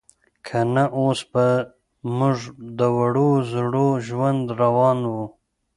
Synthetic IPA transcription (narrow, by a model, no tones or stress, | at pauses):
kʰanaʔosba | mʊʐd̪əwaɽozɽoʒwand̪ɾawɑnwu